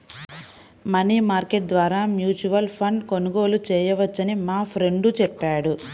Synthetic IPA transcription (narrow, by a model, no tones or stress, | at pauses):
mɐniːmaːɾkeʈ̚d̪ʋaːɾaːmjuːt͡ʃuʋɐlpʰɐɳɖko̞nuɡo̞ːlut͡ʃɛːjɐʋɐt͡ʃːɐnimaːpʰɾe̞ɳɖut͡ʃɛpːaːɽu